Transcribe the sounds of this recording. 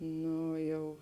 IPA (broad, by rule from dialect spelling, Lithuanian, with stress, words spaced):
ˈnoː ˈjɛʊ